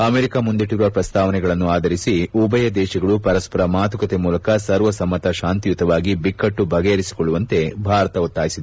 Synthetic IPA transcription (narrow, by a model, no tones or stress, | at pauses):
ɐmeːɾikamund̪iʈuɾɐpɾɐst̪ʰaːʋɐnɛɡɐɭɐnːuaːd̪ʱɐɾisiubɐjɐd̪ɛːʃɐɡɐɭupɐɾɐspɐɾɐmaːt̪ukɐt̪emuːlɐkɐsɐɾʋɐsɐmːɐt̪ɐʃaːnt̪ijut̪ɐʋaːɡibikːɐʈːubʱɐɡeɐɾisi̥kɔɭːuʋɐnt̪e̞bʱaːɾɐt̪ɐut̪ːaːjisid̪